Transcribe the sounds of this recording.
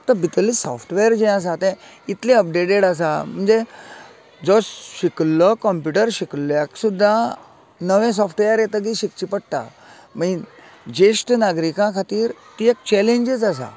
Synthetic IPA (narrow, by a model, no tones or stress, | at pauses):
t̪əbit̪əlisɔfʈʋeəɾd͡ʑɛ̃as̬at̪ɛ̃it̪ʰlẽəp̚ɖeʈeɽas̬am̤əɳd͡ze | d͡zɔɕiklɔkɔmpjuʈəɾɕikljaksud̪ʱːa | nəʋẽs̬ɔfʈʋejəɾjet̪əɡ̬iɕik̚t͡ɕipəɽ̚t̪a̰ | mi | d͡ʑesʈnaɡɾikãkʰat̪iːɾt̪iek̚t͡ɕɛlẽɲd͡ʑəd͡zas̬a̰